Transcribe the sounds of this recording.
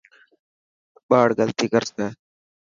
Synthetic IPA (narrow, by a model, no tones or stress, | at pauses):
ɓaːɽɡəlt̪iːkəɾsnəː